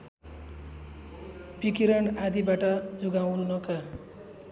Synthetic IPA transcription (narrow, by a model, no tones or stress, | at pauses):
bikiɾʌɳad̪ibaʈʌd͡zuɡaw̃nunʌka